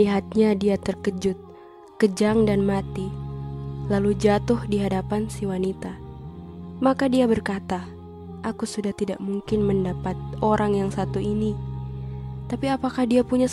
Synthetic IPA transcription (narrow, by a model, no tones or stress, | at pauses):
iɦat̪̚ɲadiat̪ərkəd͡ʒʊt̪̚ | kəd͡ʒaŋdanmat̪i | lalud͡ʒat̪ʊhdiɦadapansiwanit̪a | makadiabərkat̪a | ʔakusudaht̪ida̰ʔmuŋkɪnməndapat̪̚oɾʔaŋjaŋsat̪uini | t̪apiapakahdiapuɲa